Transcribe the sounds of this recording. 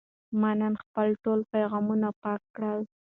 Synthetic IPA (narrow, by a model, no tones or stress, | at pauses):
mananxpəlʈolpajɣɑmunapɑkːɽəl